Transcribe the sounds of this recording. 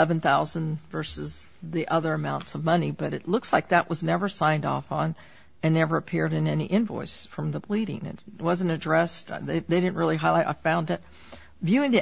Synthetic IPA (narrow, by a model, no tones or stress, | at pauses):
ɛvɨ̃nθaʊzɨ̃nvɜ˞sɨzðiʔʌðə˞ɨmãʊ̃ntsʌvmʌnibʌɾɨtˡlʊkslaɪk̚ðɨʔ̚wʔʌznɛvə˞sãɪ̃ndɔfn̩ | ɨ̃nːɛvə˞ɨpʰɪɹɾɨ̃nɛniʔɨ̃nvɔ̰ɪsfɹʌ̃mðəbliɾɪ̰̃ŋɨ̰twʌzɨ̃ntɨdɹɛstðeɪðeɪɾɪdⁿn̩ʔ̚ɹɪlˠiɦaɪlaɪɾa̰ɪfãʊ̃ndɨt̚ | vjʉɪ̃ŋði